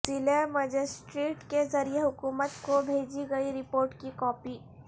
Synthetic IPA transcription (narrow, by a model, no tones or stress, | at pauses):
sɪlemɐd͡ʒɪsʈɾeːʈkezɐɾieɦʊkuːmət̪kobʱeːd͡ʒiɡɐiɾɪpoːɾʈkikɔːpiː